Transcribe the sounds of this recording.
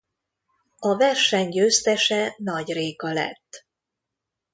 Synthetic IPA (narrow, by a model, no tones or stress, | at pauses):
ɒvɛrʃɛɲɟøːst̪ɛʃɛnɒɟreːkɒlɛ̰t̪ː